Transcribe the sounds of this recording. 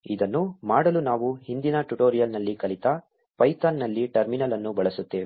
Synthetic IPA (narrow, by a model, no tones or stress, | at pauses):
id̪ɐnːumaːɽɐlunaːʋuhind̪inɐʈuʈoːɾijɐlnɐlːikɐlit̪ɐ | pɐjt̪aːnnɐlːiʈɐɾminɐlɐnːubɐɭɐsut̪ːeːʋ